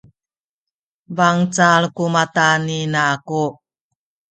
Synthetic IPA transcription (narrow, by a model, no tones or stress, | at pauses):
baŋt͡salkumataninaːku